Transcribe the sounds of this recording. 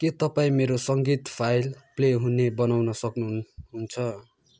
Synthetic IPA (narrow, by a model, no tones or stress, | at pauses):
ket̪ʌpaĩmeɾosʌŋɡit̪pʰajlpleɦunebʌnawnʌsʌknuɦunt͡sʰʌ